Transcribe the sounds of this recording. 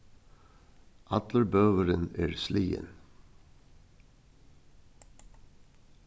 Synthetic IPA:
ʔɑt̪ləɾbœːəɾəneːɾsliːə̰n

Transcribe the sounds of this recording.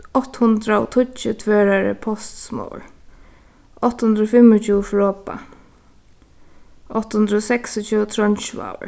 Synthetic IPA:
ɔht̪hʊnd̪ɾaɔ̰t̪ʰʊt͡ʃːɪt̪ʰveɛːɹaɹə̰pʰɔst̪smɔ̰ːw̰ɹ | ɔht̪ːhʊnd̪ɾɔfɪmːɔt͡ʃʰuːfɹɔːpa̰ | ɔht̪ːhʊnd̪ɾəɔsɛksɔt͡ʃut̪ʰɾɔnt͡ʃːa̰wə̰

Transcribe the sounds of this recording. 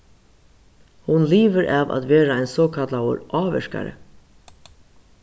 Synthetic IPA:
hʊnliːʋəɾʔaːʋa̰t̪ʋeːɾaaɪnsɔːkʰat̪lawə̰ɾʔɑːʋɛ̰ʂka̰ɾə̰

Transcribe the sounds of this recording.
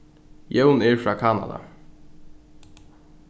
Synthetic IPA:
jɛwnɛɹfɾɑːkʰɑːna̰d̪a̰

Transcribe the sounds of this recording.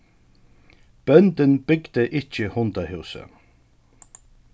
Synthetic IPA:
b̥œnt̪ɪnb̥ɪɡd̪əʔɪt͡ʃəhʊnt̪ahɪwsə̰

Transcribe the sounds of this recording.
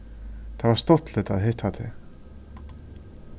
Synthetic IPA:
t̪ʰavaɾ̥st̪ot̪lɪt̪aðɦet̪ʰat̪ʰḛ

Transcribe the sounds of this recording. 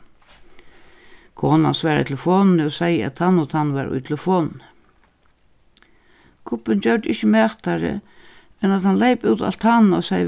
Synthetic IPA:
kʰɔːna̰nsʋɛːɾa̰t̪ʰɪfɔːnnɪɔsajəa̰t̪hanːɔt̪ʰanːʋaɾʊ̰jt̪ʰlɪfɔːnn | kʰʊpːɪnt͡ɕœɹd̪ɪçəmɛːht̪aɾɪ̰ | ɛnat̪hanlejpuwt̪a̰lt̪hanɔsaj

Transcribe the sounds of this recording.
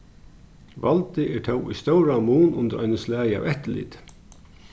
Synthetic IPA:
valt̪ɪʔɛɹt̪ʰœwṵjst̪owɾamuːnʊ̰nt̪ɪɾajnəslæːja̰vɛht̪ɪlḭːt̪

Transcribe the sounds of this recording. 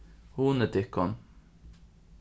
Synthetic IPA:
huːnət̪ɪkːɔn

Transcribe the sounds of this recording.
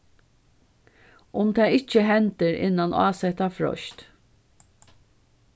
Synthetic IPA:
ʔʊmt̪ʰɛːɪt͡ʃːəɦɛnt̪əɾʔɪ̰nːanʔa̰ːsɛt̪afɹɔ̰ʃt̪

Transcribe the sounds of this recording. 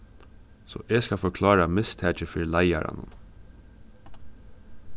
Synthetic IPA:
sɔ̰ʔeːskɑfɔkʰlɑːɾamɪst̪ʰæːt͡ʃəfɪɾlæɪɑɾɑ̰nə̰n

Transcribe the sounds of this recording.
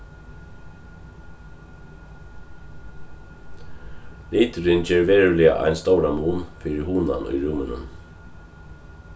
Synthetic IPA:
liːt̪ʏɾɪncɛːɹʋɛːɹʉlɪa̰ʔa̰jnst̪oːwɾamuːnfɪɾɪhuːna̰nʔʊ̰jɾʊmʏnʏ̰m

